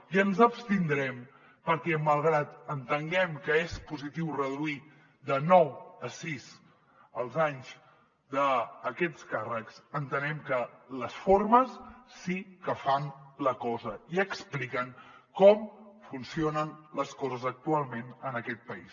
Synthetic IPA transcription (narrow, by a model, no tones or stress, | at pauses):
iənzəpst̪ind̪ɾɛm | pəɾkɛməlˠɣɾat̪ənt̪əŋɡɛmkəespuzit̪iwrəðuit̪ | d̪ənɔwəsiz | əlˠzaɲz | d̪əːkɛt͡skarəksənt̪ənɛmkələsforməsːikəfanləkɔzəiəksplikəŋkɔmfunsionənləskɔzəzək̚t̪ualˠmenənəkɛt̪̚pəḭs